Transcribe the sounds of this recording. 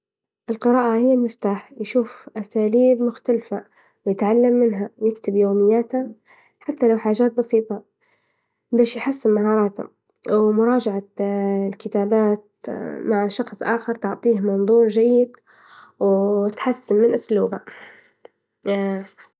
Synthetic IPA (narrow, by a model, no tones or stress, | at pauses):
ʔɪlqɨɾɑːʔahɪjːamɪft̪aːħjʃuːfʔasaːliːbmʊxt̪alfa | wjɪt̪ʕalːamːɪnɦawjɪkt̪ɪbjoːmɪjːaːt̪ha | ħat̪ːalawħaːʒaːt̪̚bɑsiːt̪ˤɑ | beːʃjħasːɪmmaɦɑːɾˤɑːt̪ha̰ | wmʊɾˤɑːd͡ʒaʕalkɪt̪aːbaːt̪̚ | maʕʃɑxsˤʔaːxɪɾt̪ʊʕt̪ˤiːhmɑnðˤuːɾʒajːɪd̪ | wɪt̪ħasːɪmmɪnʔʊsluːba